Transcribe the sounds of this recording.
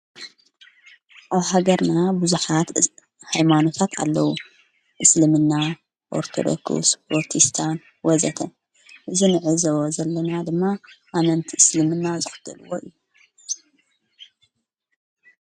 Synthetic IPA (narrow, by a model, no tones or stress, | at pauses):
ʔaβhaɡɐɾnabuzuħat̪ | hajmano̞t̪ʰat̪ʰa̰lːɐwu | ʔɨslɨmɨnːa | ʔo̰ɾt̪ʰo̰d̪o̰kʰṵsboɾt̪ʰist̪ʰan | wɔzɐt̪ʰɐ | ʔɨzinɨʕɨzɐwozɐlːɐnad̪ɨmːaʔanɐnt̪ʰiʔɨslɨmɨnːazɨxɨ̥d̪ʰɐlɨwoʔɨjːu